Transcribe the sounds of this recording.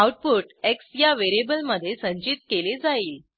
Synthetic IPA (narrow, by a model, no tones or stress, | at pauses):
awʈ̚puʈeksjaʋeɾebəlməd̪ʱːjesə̃ɲt͡ɕit̪̚keled͡zaiːl